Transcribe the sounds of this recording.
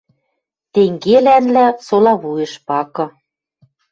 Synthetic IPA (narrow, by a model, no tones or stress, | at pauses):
t̪eŋɡelænlæsolɑβujɤ̆ʃpɑkɤ̆